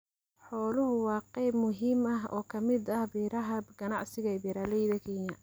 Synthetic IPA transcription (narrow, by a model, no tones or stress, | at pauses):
ħɔːlʊɦʊwɑːqɛjbmʊɦiːmɐɦɔ̰ːkʰɐmɪd̪ɐhbiːɾɐɦɐɡ̥ɐnɑʕsɪɣɐbiɾaːlɛjðɐkʰɛːɲɐ